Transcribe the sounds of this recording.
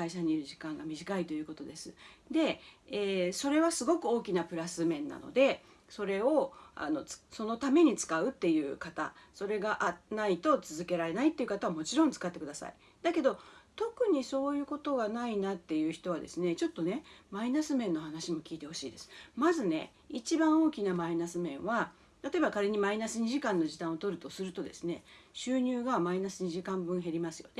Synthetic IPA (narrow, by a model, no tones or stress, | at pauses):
kaiɕaɲ̟iːɾɯ̟ʑikãŋɡamʲiʑikait̪o̞jɯ̟ko̞t̪o̞d̪e̞sɨd̪e̞eːso̞ɾe̞βasɨɡo̞kɯ̟o̞ːkʲinapɯ̟ɾasɨmẽ̞nːa̰no̞̰d̪e̞ | so̞ɾe̞o̞a̰no̞t͡sso̞no̞t̪ame̞ɲ̟it͡sɨ̥kaɯ̟t̪ːe̞jɯ̟ːkat̪a̰so̞ɾe̞ɡaʔanait̪o̞t͡sɨzɨke̞ɾaɾe̞nait̪ːe̞iɯ̟kat̪aβamo̞t͡ɕiɾõ̞nt͡sɨ̥kat̪ːe̞kɯ̟d̪asa̰ḭ | d̪ake̞d̪o̞t̪o̞kɯ̟ɲ̟iso̞ːjɯ̟ːko̞t̪o̞ɡanainat̪ːe̞jɯ̟ːçi̥t̪o̞βad̪e̞sɨne̞t͡ɕo̞t̪ːo̞ne̞mainasɨmẽ̞nːo̞hanaɕimo̞kʲiːt̪e̞ho̞ɕiːd̪e̞sɨ̥mazɨne̞̰ | it͡ɕibãɰ̃o̞ːkʲinamainasɨmẽ̞ɰ̃βa | t̪at̪o̞e̞bakaɾe̞ɲ̟imainasɨɲ̟iʑikãnːo̞ʑit̪ãɰ̃ot̪o̞ɾɯ̟t̪o̞sɨɾɯ̟t̪o̞d̪e̞sɨne̞ɕɨːɲ̟ɨːɡamainasɨɲ̟iʑikãmbɯ̟̃ɰ̃ɦe̞ɾʲimasɨjo̞ne